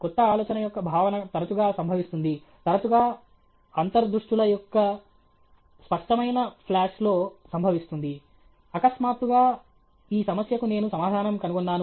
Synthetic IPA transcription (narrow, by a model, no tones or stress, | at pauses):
kɔt̪ːɐaːlɔːt͡ʃɐnɐjɔkːɐbʱaːʋɐnɐt̪ɐɾɐt͡ʃuɡaːsɐmbʱɐʋist̪und̪i | t̪ɐɾɐt͡ʃuɡaː | ɐnt̪ɐɾd̪ɾuʂʈulɐjɔkːɐ | spɐʂʈɐmɐjnɐpʰlaːʂlo̞ːsɐmbʱɐʋist̪und̪i | ɐkɐsmaːt̪uɡaː | iːsɐmɐsjɐkune̞ːnusɐmaːd̪ʱaːnɐmkɐnuɡɔnːaːnu